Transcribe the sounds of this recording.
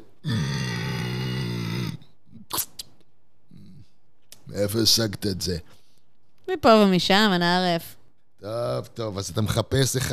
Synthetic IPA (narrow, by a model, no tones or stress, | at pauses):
mḛefoisaɡt̪aetze | mipovomiʃamanaaʁef | tovt̪o̞vazat̪ameχapesleχ